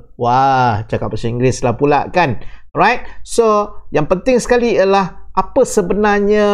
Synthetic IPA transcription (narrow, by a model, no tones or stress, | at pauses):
wat͡ʃakap̚pːəsanĩŋɡlɪslapula̰ʔkan | rajt̚sojaŋpənt̪ɪŋsə̥kaliəlahʔapəsəbənaɲa